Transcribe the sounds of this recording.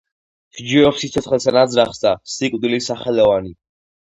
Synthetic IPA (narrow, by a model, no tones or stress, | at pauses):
ʃd͡ʒiɔpsit̪sʰɔt̪ʰχɛlˠsɛnad̪zɾaχsd̪asikʼwd̪ilisaχɛlɔvani